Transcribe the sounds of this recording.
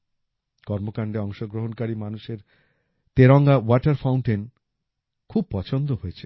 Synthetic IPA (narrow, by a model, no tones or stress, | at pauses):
kɔɾmokaɳɖeɔŋʃoɡɾoɦonkaɾimanuʃeɾ | t̪eɾɔŋɡawɔʈaɾfawɳʈin | kʰub̚pɔt͡ɕʰond̪oɦoet͡ɕʰe̥